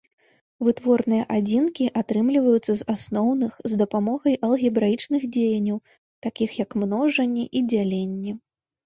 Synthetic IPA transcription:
vɨt̪vɔrnɨjɐʔad͡zʲinkʲiʔat̪ɾɨmlʲivɐjut̪sɐzasnɔwnɨxzd̪ɐpamɔɣɐjʔɐlˠɣʲibɾait͡ʂnɨɣd͡zʲejɐnʲːɐw | t̪akʲixjɐkmnɔʐɐnʲːɛʔid͡zʲalʲenʲːɛ

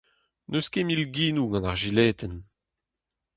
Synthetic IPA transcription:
nʔøskemilɡiːnuɡɑ̃naʁʒilɛːt̪ɛn

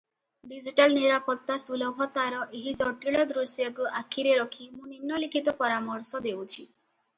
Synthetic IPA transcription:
ɖid͡ʒiʈalniɾapɔt̪ːasulɔbʱɔt̪aɾɔʔeɦid͡ʒɔʈiɭɔd̪ɾusjɔkuʔakʰːiɾeɾɔkʰimũninːɔlikʰit̪ɔpɔɾamɔɾsɔd̪ewt͡ʃʰi

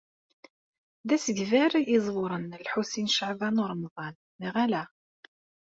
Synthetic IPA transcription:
ðæsəɡvæɾjizˤwʊɾˤənlħusinʃəʕvænʊɾˤmðˤɑn | miʁælæ

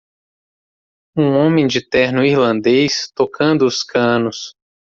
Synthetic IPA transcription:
ũõmẽj̃d͡ʒɪt̪ɛɾnʊiɾlɐ̃nd̪ejst̪okʰɐ̃nd̪ʊːskɐ̃nʊs

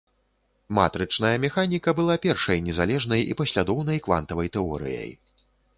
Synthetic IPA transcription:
ma̰t̪ɾɨt͡ʂn̪ɐjɐmʲɛxanʲikɐbɨlˠapʲɛrʂɐjnʲɛzalʲɛʐnɐjḭpɐsʲlʲad̪ɔwn̪ɐjkva̰n̪t̪ɐvɐjt̪ɛɔ̰ɾɨ̰jɐ̰j

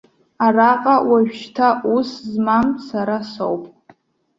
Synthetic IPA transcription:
araqʼawaʒᶣʃtʰaʔuszmamsaɾaso̰wpʼ

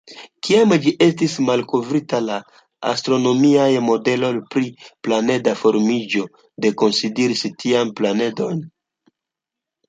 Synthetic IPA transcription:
kiamd͡ʒiʔe̞stismalko̞vɾitala | a̰stɾo̞no̞miajmo̞de̞lo̞jpɾiplane̞dafo̞ɾmid͡ʒo̞ | de̞ko̞nsideɾistʰianplane̞do̞n

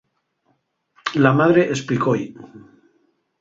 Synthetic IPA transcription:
lamaðɾeʔesplikoj

